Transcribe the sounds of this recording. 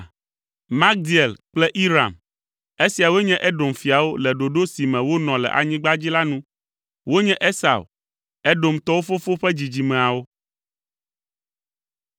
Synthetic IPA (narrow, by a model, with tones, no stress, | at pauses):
mã˦k̚d̪i˨ɛ˨lk͡plɛ˦ʔi˦ɾa̰˨m | e˦si˨a˨wo˦ɲɛ̃˦ʔɛ˦ɖo˨mfi˨a˨wo˦lɛ˨ɖo˨ɖo˦si˨mɛ̃˨wo˦nɔ̃˨lɛ̰˨ʔa̰˨ɲĩ˦ɡ͡ba˦d͡ʑi˦la˦nũ˦ | wo˦ɲɛ̃˦ʔe˦sa̰˨w | ɛ˦ɖo˨mt̪ɔ˦wo˦fo˦fo˦ɸɛ˦d͡ʑi˨d͡ʑi˨mɛ̃˨a˨wo˦